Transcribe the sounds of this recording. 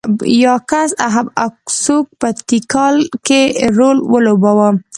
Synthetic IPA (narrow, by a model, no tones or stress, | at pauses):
jɑkasaɦabaksuk̚pət̪ikɑlkeɾolwəlobawə